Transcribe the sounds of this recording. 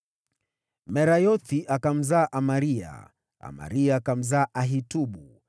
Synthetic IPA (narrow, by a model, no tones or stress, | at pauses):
mɛɾajɔθiʔakam̩zaːʔamaɾia̰ | a̰ma̰ɾiaːkam̩zaːʔaɦituɓu